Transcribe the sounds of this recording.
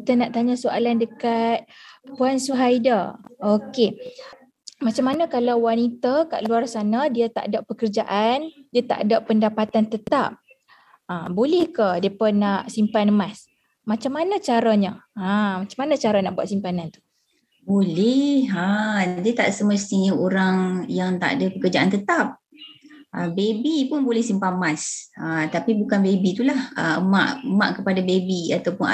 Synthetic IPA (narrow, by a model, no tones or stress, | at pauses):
kit̪ənaʔt̪aɲasoa̰landəkat̪̚puansuɦajdaoke | mat͡ʃamːanãkalawwanit̪aka̰ʔluarsanadiat̪a̰ʔdaʔpəkərd͡ʒaʔandiat̪a̰ʔdaʔpəndapat̪ant̪ət̪a̰p̚ | abolɛhkadəpənaʔsimpanmas | mat͡ʃamːanat͡ʃaɾaɲəamat͡ʃamanat͡ʃaɾanaʔbua̰ʔ̪simpanant̪u̥ | bolɛhadiət̪aʔsəməst̪iɲəoɾaŋjaŋt̪a̰ʔdəpəkərd͡ʒaʔant̪ət̪ap̚ | ʔəbebipʊnbolɛhsimpanmasət̪apibukanbebit̪ulahəəma̰ʔəma̰ʔkəpadabebiat̪awpʊna̰